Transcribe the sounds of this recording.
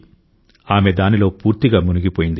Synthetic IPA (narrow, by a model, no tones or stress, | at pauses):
aːmed̪aːnilo̞ːpuːɾt̪iɡaːmunuɡipoːjind̪i